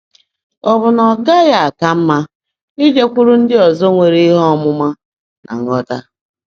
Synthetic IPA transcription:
ɔ˨bʊ˨nɔ˨ɡa˦ja˨a˨ka˦m̩˦ma˦ | i˦d͡ʒe˦kʷʊ˦ɾʊ˦n̩˦dɪ˦ɔ˨zɔ˦ŋʷe˨ɾi˦ɦɔ˦mʊ˦ma˦ | na̰˨ŋ̩˦ɔ˦ta˦

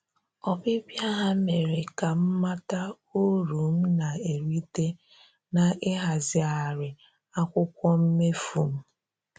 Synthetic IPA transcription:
ɔ˨bɪ˦bja˦ɦa˦me˨ɾe˨ka˨m̩˦ma˦ta˦ | o˦ɾu˨m̩˦na˨e˨ɾi˦te˦ | na˨ɪ˦ɦa˨zɪ˨a˨ɾɪ˨ | a˦kʷʊ˦kʷɔ˦m̩˦me˦fu˨m̩˦

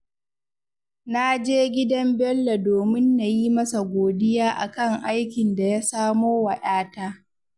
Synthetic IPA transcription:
na˦d͡ʒeː˦ɡʲɪ˦dɐ˦mbɛ˦lːa˨doː˨mɪ˦nːa˨jiː˦mɐ˦sa˨ɡʷoː˨dɪ˦jaː˦ʔa˨kɐ˦˨ŋʔa˦jkʲɪ˨nda˨ja˦saː˦moː˦wɐ˨ɗaː˦taː˦

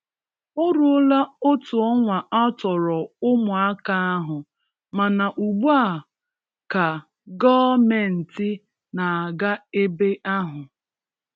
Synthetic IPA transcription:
ʊ˦ɾʊ˦la˦ʊ˦tʊ˨ɔ˦ŋʷa˨ʔa˦tɔ˨ɾɔ˨ʊ˦mʊ˨a˦ka˦a˦ɦʊ˨ | ma˨na˨ʔu˨ɡ͡bu˦a˦˨ | ka˨ | ɡɔː˦me˨n̩˨tɪ˦ | na˨a˨ɡa˦e˦be˦ʔa˦ɦʊ˨

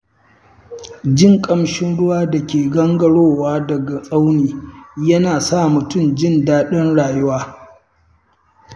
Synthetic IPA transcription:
d͡ʒɪ˦˨ŋkʼɐ˨mʃɪ˦nɽʊ˦waː˦dɐ˨kʲeː˨ɡɐ˦ŋɡɐ˨ɽoː˦˨waː˦dɐ˨ɡa˨sʼa˦wniː˨jɐ˦naː˨saː˦˨mʊ˨tʊ˦˨md͡ʒɪ˦ndaː˦ɗɐ˦nɽaː˨jʊ˦waː˦

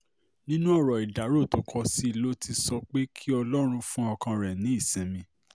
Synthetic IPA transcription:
nĩ˦nũ˦ɔ˦˨ɾɔ˨i˨da˨˦ɾo˦˨to˨˦kʰɔ˧si˦˧lo˦tʰi˧sɔ˧k͡pe˦kʰi˦ɔ˧lɔ˦ɾ̃ũ˧fũ˦ɔ˧kã˧ɾɛ˨nĩ˨˦i˦˨sɛ̃˨mĩ˧

